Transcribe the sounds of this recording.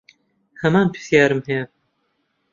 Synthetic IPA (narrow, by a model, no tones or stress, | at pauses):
hɐmaːnpʰi̥sjaːɾɨmhɛjɛ